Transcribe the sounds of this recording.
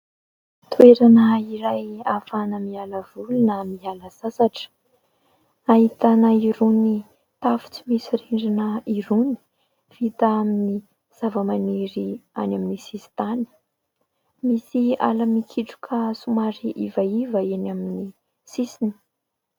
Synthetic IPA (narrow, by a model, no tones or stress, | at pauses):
t̪weɾanəiɾajafanəmialəvulunəmialəz̥asaʈ͡ʂə̥ | ahit̪anəiɾuni | t̪afu̥t͡simisiɾiɳɖ͡ʐinəiɾuni̥ | v̥it̪aamini | z̥avəmaniɾia̰naminisisi̥t̪ani̥ | misia̰lamikʰiʈ͡ʂu̥kʰasumaɾiʔivaivəenamini | sisini̥